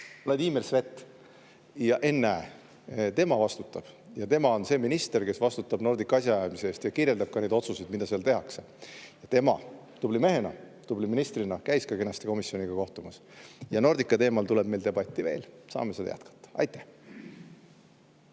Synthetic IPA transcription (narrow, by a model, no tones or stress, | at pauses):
led̪iːmelsve̞t̪ːˑ | jɑʔe̞nːe | t̪e̞mɑvɑst̪ut̪ːˑɑb̥ | jɑt̪e̞mɑo̞nse̞ːminist̪e̞rke̞svɑst̪ut̪ːˑɑbno̞rd̪ikːɑsʲjɑɑjmiseeːst̪jɑkiɾje̞ld̪ɑb̥̚kɑne̞d̪o̞t̪susid̪̥mid̪ɑseɑlt̪e̞ɦɑkse | jɑt̪e̞mɑ̰ | t̪ublime̞ɦe̞nɑ̰ | t̪ubliminist̪rinɑkæjskɑke̞nɑst̪e̞ko̞misjo̞niɡ̥ɑko̞ht̪umɑsjɑno̞rd̪ikːˑɑt̪e̞ːmɑlt̪ule̞b̥̚me̞jld̪e̞bɑt̪ʲːˑive̞̰ːlsɑ̰ːme̞sed̪ɑ̰jæ̰t̪kɑ̥t̪ːˑɑ̥ɑ̰jt̪ˑːæ̥h